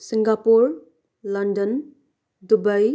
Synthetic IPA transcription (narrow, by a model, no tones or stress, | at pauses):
siŋɡapuɾ | lɐndən | dubaj